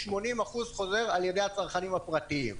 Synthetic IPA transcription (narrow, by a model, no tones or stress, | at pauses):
ʃmo̞nimaχuzχo̞ze̞ʁalje̞de̞jhat͡saʁχanimapʁat̪iim